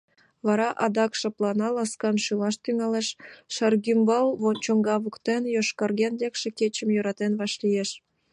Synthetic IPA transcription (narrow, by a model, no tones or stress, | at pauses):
βɑɾɑʔɑd̪ɑkʃɤ̆plɑnɑlɑskɑnʃɯlɑʃt̪yŋɑleʃʃɑrɣymbɑlˠβont͡ɕoŋɡɑβukt̪enjoʃkɑrɣenlekʃĕket͡ɕə̆mjøɾɑt̪enβɑʃlijeʃ